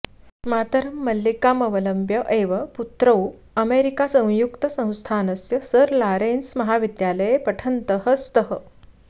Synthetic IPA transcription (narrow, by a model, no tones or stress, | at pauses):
mat̪əɾəmːəlːikaməʋələmbjəʔeʋəput̪ɾəu | əmeɾikasə̃w̃jukt̪əsə̃w̃st̪ʰanəsjəsəɾlaɾensməɦaʋid̪jaləjepəʈʰənt̪əɦəst̪əɦə